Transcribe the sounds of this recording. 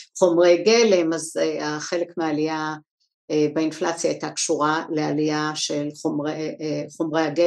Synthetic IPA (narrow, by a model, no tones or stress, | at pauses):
χo̞mʁejɡelemazeaχe̞le̞kmeaːlija | ebainflat͡sjaitakʃuʁale̞alijaʃe̞lχomʁeχo̞mʁejaɡe